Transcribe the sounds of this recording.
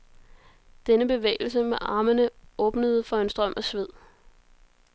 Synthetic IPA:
d̥enəb̥e̝ʋḛːɪl̩səmeʔɑ̈ːmənəʔɔ̽ːb̥nəð̞̩ˠfɒ̽ensd̥ʁɶm̰ʔæsʋe̝ð̰ˠ

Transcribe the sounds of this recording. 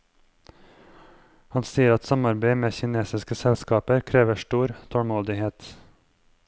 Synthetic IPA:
hɑnsiːəɾɑt̪sɑmɑɾbeɪmeːçɪneːsɪskəsɛlskɑːpəɾkʰɾeːʋəʃʈuːɾt̪ʰɔɽmoːd̪ɪheːt̪

